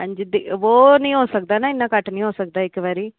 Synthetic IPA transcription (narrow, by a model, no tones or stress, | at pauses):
ɦə̃ɲd͡ʒid̪iʋoːnĩːɦoːsək̚d̪aːnãːɪnːãːkəʈːnĩːɦoːsək̚d̪aːɪkːʋaːɾiː